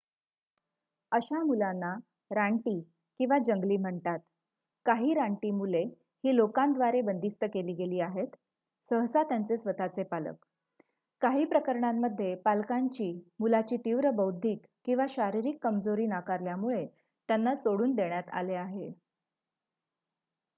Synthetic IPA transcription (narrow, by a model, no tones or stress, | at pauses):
əɕamulanːa | ɾaɳʈiː | kĩw̃ʋad͡ʑəŋɡliːm̤əɳt̪at̪ | kaɦiːɾaɳʈiːmule | hiːlokãnd̪ʋaɾebənd̪ist̪əkeliːɡeliːaɦet̪ | səɦsat̪jant͡sesʋət̪at͡sepalə̰k | kːaɦiːpɾəkəɾɳamːəd̪ʱːjepalkaɲt͡ɕiːmulat͡ɕiːt̪iʋɾəbəwd̪ʱiːkːĩw̃ʋaɕaɾiɾikːəmd͡zoɾiːnakaɾljamuɭe | t̪janːasoɽuːnd̪eɳjat̪a̰leaɦe